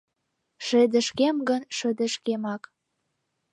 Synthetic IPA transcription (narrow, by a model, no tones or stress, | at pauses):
ʃĕd̪ə̆ʃkemɡənʃə̆d̪ə̆ʃkemɑk